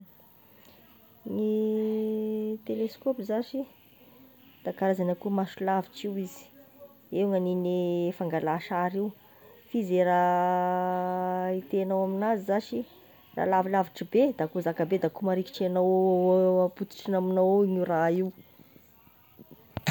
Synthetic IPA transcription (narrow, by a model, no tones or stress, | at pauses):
ni | t̪eleskopizaʃi | d̪̥akaɾazanakumasulaviʈ͡ʂiwizi̥ | eŋaninefaŋɡalaʃaɾiw | fizeɾa | it̪eanawaminazizaʃi | ra̰lavilaviʈ͡ʂibed̪akuzakabed̪akumaɾiki̥ʈ͡ʂanowaput̪i̥ʈ͡ʂinaminowɲiraiw